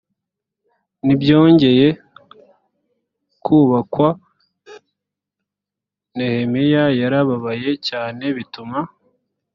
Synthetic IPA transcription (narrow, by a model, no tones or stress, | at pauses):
nibjo̞ːɲɟe̞je̞ | kʰuβakwa | nehemijajaɾaβaβaje̞caːne̞βituma